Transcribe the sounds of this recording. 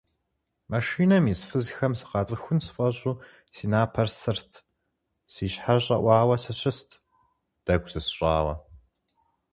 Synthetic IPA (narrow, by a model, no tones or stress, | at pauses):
mɐʃiːnɐmisfɨzxɐmsɨ̥qɑːt͡sʼɨxʷʊnsɨfʼɐɕʼuː | siːnaːpʰɐrsɨrtʰ | siːʃħaɕʼɐʔʷɑːwɐsɨɕɪstʰ | d̥ɐɡʷzɨsɕʼɑ̰ːʁɐ̰